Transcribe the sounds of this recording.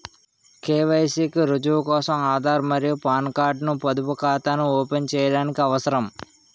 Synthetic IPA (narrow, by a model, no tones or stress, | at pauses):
keːʋɐjsiːkiɾud͡ʒuʋkɔːsɐmaːd̪ʱaːɾmɐɾijupaːnkaːɾɖnupɐd̪upukaːt̪anuɔːpent͡ʃɛːjɐɽaːnikiɐʋɐsɐɾɐm